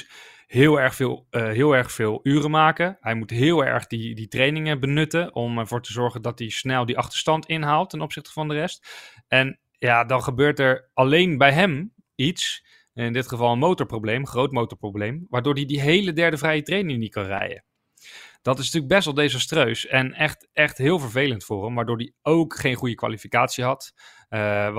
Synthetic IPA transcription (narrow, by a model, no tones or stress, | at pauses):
ɦɪːlˠɛɹχfɪːlˠɦɪːlˠɛɹχfɪːlˠyːrəmaːkəɦɛjmutɦɪːlˠɛ̰ɹχdiditrejnɪŋəbənɵtənʔɔmɛɹvʊːɹtəzɔɹχəndɑtisnɛlˠdiʔɑχtə̥ɹstɑntɪnɦaːlˠtːɛnɔpsɪχtə̥vɑndərɛst | ɛn | jaːdɑnχəbøːɹtɛɹɑlejnbɛjɦɛm | its | ɪndɪtχəvɑlˠənmowtɔɹprowblejmχrowtmowtɔɹprowblejmʋaːɹdʊːɹdidiɦejlədɛɹdəvrɛjətrejnɪŋnitkɑnrɛ̰jə̰ | d̥ɑtɪsntyːləɡ̚bɛstʋɑlˠdejzɑstrøɥsɛnɛχtɛχtɦɪːlˠvəɹvejləntfʊːɹəmʋaːɹdʊːɹdiowkχejnχujəkʋa̰ːlifikaːtsiɦɑt